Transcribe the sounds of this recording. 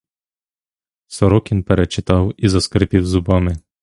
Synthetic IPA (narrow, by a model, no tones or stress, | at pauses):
sɔɾɔkʲinpɛɾɛt͡ʃɪt̪ɑwizɐskɾepʲiwzʊbɑmɪ